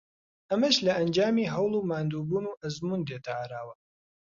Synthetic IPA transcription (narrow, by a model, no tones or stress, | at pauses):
ʔɐmɐʃlɐɐnd͡ʒaːmiːɦɐwlˠuːmaːnd̪uːbuːnuːʔɐzmuːnd̪et̪ʰɐʕaɾaːwɐ